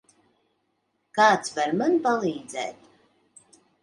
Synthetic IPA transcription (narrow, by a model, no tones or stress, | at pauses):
kaːt̪svaɾmanpalˠiːd̪zɛ̰ːt̪